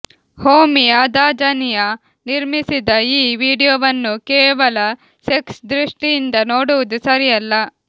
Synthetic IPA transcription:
hoːmijaːd̪aːd͡ʒɐnijɐ | niɾmisid̪ɐiːʋiːɽijoʋɐnːukɛːʋɐlɐ | seksd̪ɾiʂʈijind̪ɐno̞ːɽuʋud̪usɐɾijɐlːɐ

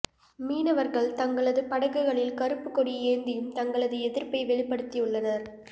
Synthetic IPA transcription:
miːnɐʋɐɾɣɐɭt̪ɐŋɡɐɭɐðɯpɐɽɐɣɯɣɐɭɪlkɐɾɯpːɯkːɔɽieːɾnd̪ɪjɯmt̪ɐŋɡɐɭɐðɯɛðɪɾpɐɪʋɛɭɪpːɐɽɯt̪ːiʊɭːɐnɐɾ

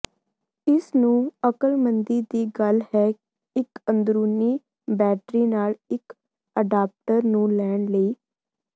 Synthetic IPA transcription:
ɪsnũːəkəlmənd̪iːd̪iːɡəlhɛː | ɪkənd̪ɾuːniː | bɛːʈɾiːnaːlɪk | əɖaːp̚ʈəɾnũːlɛːɳləiː

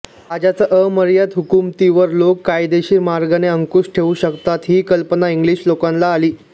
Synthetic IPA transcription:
ad͡ʑat͡səʔəməɾjat̪ɦukumt̪iʋəɾlokːajd̪eɕiːmaɾɡaneəŋkuʂʈʰeuɕəkt̪at̪ɦiːkəlpənaiŋɡliɕlokanlaːliː

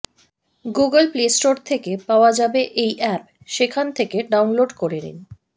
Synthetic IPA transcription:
ɡuɡəlplesʈoɾt̪ʰekepaoad͡ʑabeʔejʔɛp̚ | ʃekʰant̪ʰekeɖawnloɖkoɾenḭn

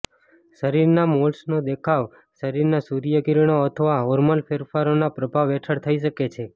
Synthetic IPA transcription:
ʃəɾiɾnamolsnod̪ekʰaʋ | ʃəɾiɾnasuɾijəɡiɾɳ̃oət̪ʰəʋaoɾməlfeɾfaɾonapɾəbʱaʋːɛʈʰəɽt̪ʰəiʃəket͡ʃʰe

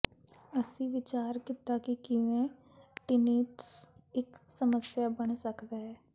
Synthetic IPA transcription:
əsĩːʋɪt͡ʃaːɾkɪt̪ːaːkɪkɪʋẽː | ʈɪniːʈsɪksəməsjaːbəɳsəkd̪aːɦɛː

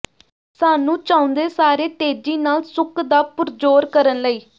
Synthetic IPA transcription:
saːnũːt͡ʃãːʊ̃nd̪eːsaːɾeːt̪eːd͡ʒiːnaːlsʊkd̪aːpʊɾd͡ʒoːɾkəɾənləiː

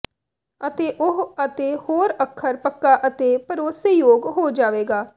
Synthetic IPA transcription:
ət̪eːʔʊɦət̪eːhoːɾəkʰːəɾpəkːaːʔət̪eːpəɾoːseːjoːɡɦoːd͡ʒaːʋeːɡaː

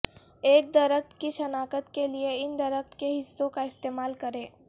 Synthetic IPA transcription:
eːk̚d̪ɐɾəkt̪kiʃɐnaːkət̪kelieɪnd̪ɐɾəxt̪keɦɪsːõkaɪst̪eːmaːlkɐɾẽː

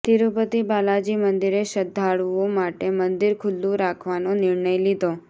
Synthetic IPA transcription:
t̪iɾupət̪ibalad͡ʒimənd̪iɾeʃəd̪ʱaɭuomaʈemənd̪iɾkʰʊlːũɾakʰʋanonɪɾɳəjlid̪o

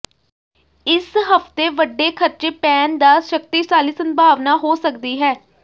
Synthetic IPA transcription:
ɪsɦəft̪eːʋəɖːeːkʰəɾt͡ʃeːpɛːnd̪aːʃək̚t̪iːsaːliːsəmbʱaːʋnaːɦoːsəkd̪iːɦɛː

